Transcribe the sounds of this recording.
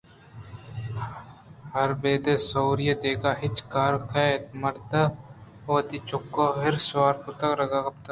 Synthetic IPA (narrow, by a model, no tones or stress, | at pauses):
hɐɾbeːd̪esoːɾijəd̪eːkaːɦɪt͡ʃkaːɾkʰat̪mɐɾd̪ɐ | ʋɐt̪it͡ʃʊkːoɦɪɾswaːɾkʊt̪ɐkɾɐɡakɐp̚t̪ɐ